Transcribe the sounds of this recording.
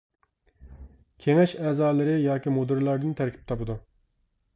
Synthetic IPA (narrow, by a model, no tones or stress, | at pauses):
kʲʰeŋɛʃɛːzɑːlˠɨɾɪjɑːkʲimod̪ɨɾlˠɑɾd̪ɨnt̪ʰæɾkʲʰi̥p̚t̪ʰɑpɨd̪u